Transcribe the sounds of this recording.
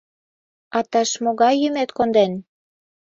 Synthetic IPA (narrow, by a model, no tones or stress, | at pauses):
ɑt̪ɑʃmoɣɑjːymet̪kond̪en